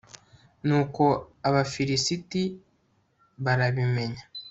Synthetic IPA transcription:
nuːko̞aβafiɾisiti | βaɾaβime̞ɲa

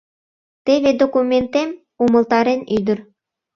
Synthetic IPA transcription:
t̪eβed̪okumʲent̪em | umə̆lt̪ɑɾenyd̪ər

